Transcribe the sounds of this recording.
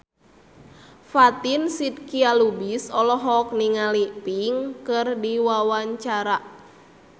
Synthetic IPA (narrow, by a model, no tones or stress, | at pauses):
fat̪insid̪̚kialubisɔlɔɦɔk̚niŋalipiŋkɨrdiwawaɲt͡ʃaɾa